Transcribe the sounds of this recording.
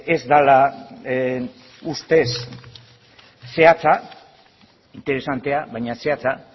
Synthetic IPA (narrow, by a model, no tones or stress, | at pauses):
e̞zd̪ala | ust̪e̞s | e̞at͡sa | int̪e̞ɾe̞sant̪e̞aβajɲase̞at͡sa